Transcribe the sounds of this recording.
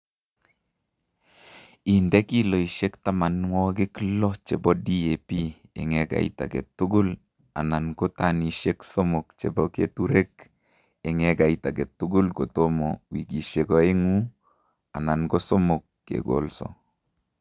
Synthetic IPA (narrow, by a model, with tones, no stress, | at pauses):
i˨ndɛ˦ki˦lo˨i˨ʃe˦kta˦ma˨nwɔ˦ɡɪ˦klɔ˦t͡ʃe˨bɔ˦di˦e˨piḛ˨ŋɛɡa̰˨ḭ˦ta̰˨ɡḛ˨tʊ˦ɡʊ˦l | a̰˨na˨nɡo˦ta˨ni˨ʃe˦kso˦mo˨kt͡ʃe˨bɔ˦kḛ˦tu˦ɾe˦k | ɛ˨ŋɛ˨ɡa˨ita˨ɡe˨tu˦ɡʊ˦lɡo˨to˦mɔ˨wi˨ɡi˨ʃe˨kɔ˨e˦ŋu˦ | a˨na˨nɡo˦sɔ˦mo˨kːḛ˨ɡo̰˨lsɔ̰